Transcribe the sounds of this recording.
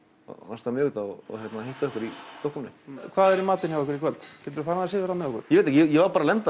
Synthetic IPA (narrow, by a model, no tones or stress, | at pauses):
ast̪amʏːɣʏt̪aɔɔ̰çjɛt̪nahejht̪aʏhkʏɾist̪ohkːʏmnɪ̰kʰvaːðɛɾimaːt̪ɪnjavɔkvʏɾikʰvɛlt̪cʰɛt̪ɾfaɾnaðasɪːðɪɾanːɪɔhkʏ̰ɾ̥jɛeːt̪hcjɛjɛvaɾpaːɾalɛnt̪a